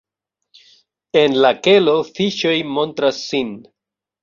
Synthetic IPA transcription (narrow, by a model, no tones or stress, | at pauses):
e̞nlake̞lo̞fiʃo̞jmo̞ntɾasːin